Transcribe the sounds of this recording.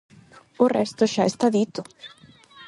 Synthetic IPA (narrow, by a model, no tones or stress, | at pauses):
ʊrɛst̪ʊʃajst̪ad̪it̪ːʊ